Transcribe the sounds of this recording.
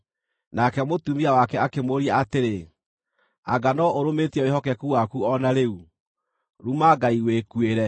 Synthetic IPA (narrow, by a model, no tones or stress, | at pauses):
nakɛmotumiawakɛakemoɾiaateɾe | aɡanɔʔoɾometiɛowehɔkɛkuwakuɔnaɾeu | ɾumaɡaiwekweɾɛ